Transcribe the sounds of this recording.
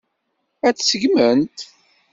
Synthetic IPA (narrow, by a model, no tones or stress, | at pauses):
æt͡ssəɡmənt̪